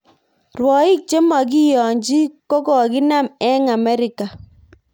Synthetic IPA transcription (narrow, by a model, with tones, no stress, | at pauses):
rwɔ˨i˦k̚t͡ʃe˦ma˨k̬i˦jɔ˨ɲd͡ʒi˦ko˦kɔ˨ki˦na˦mɛ˦ŋa˨mɛ˦ɾi˨ka˨